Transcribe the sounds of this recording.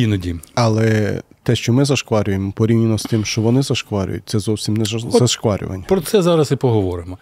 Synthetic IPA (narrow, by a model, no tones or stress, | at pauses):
inɔdʲimɐlˠɛt̪ɛʃt͡ʃɔmɪzɐʃkʋɑɾʲʊjemɔpɔɾʲiwnʲɪnɔst̪ɪmʃt͡ʃɔʋɔnɪzɐʃkʋɑɾʲʊ̰jʊ̰t̚ʲtsɛzɔwsʲimnɛɐʃkʋɑɾʲʔʊ̰ʋɐ̰nʲːɐpɾɔt̪sɛzɑɾɐsɪpɔɦɔʋɔɾɪmɔ